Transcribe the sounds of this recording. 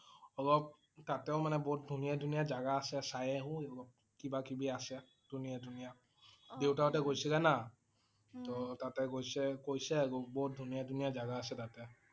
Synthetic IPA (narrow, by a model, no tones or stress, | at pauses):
ɔɡɔp̚ | tatɛʊmanɛbɔɦut̚dʱunijadʱunijazaɡaːsɛsajɛɦʊ̃ɔɡɔp̚ | kibakibiasɛ | dʱunijadʱunija | dewtaɔtɛkojsɛkana | tɔtatɛɡojsɛkojsɛaɡɔbɔɦʊt̚dʱunijadʱunijazaɡaːsɛtatɛ